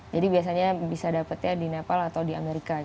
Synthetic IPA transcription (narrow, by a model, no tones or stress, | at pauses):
d͡ʒadibias̬aɲabisadapət̪̚ɲadinepalat̪awdiameɾika